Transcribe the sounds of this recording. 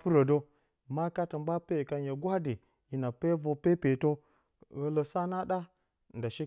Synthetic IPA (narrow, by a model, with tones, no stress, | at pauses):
pu˦ɾo˨do˦˨ | ma˦ka˦tə˨mba˦pe˦˨ka˨n˦je˨ɡʷa˦di˨ | ji˨na˨pe˦vo˨pe˦pe˨to˦ | ɣə˦lo˨sa˦na˦ɗa˦ | n˨da˨ʃi˦